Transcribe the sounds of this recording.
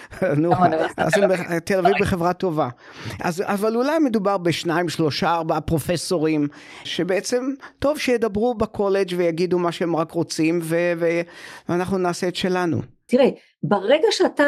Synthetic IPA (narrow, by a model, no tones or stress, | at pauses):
nua̰zembet̪elavivbeχevʁat̪o̞va | a̰zavalulajme̞d̪ubaʁbeʃnaimʃlo̞ʃaːʁbaapʁo̞feso̞ʁim | ʃebeet͡se̞mto̞vʃejed̪abʁubakʰo̞le̞d͡ʒvejaɡid̪umaʃeemʁakʁo̞t͡simveveveanaχnunaːseet̪ʃelanṵt̪iʁe | baʁeɡaʃeat̪a